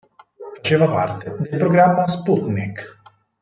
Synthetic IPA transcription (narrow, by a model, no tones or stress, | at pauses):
fat͡ʃeːvapa̰ɾt̪ed̪elpɾoɡɾamːasput̪nik